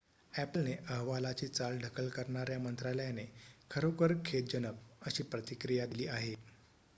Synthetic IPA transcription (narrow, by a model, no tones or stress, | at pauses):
æplneʔəɦʋalat͡ɕiːt͡salɖʱəkəlkəɾɳaɾjamənt̪ɾaljanekʰəɾokəɾkʰet̪̚d͡ʑənək̚əɕiːpɾət̪ikɾijad̪iliːʔaɦe